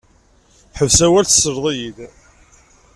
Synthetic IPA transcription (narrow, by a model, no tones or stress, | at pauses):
θħəvsæwælθsːəɾðˤijið